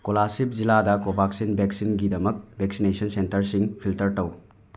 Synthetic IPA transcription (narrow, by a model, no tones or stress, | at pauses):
kolasip̚ziladɐkobaksinbʱeksinɡidɐmɐk̚bʱeksinesɐnsentɐɾsiŋpʰiltɐɾtɐw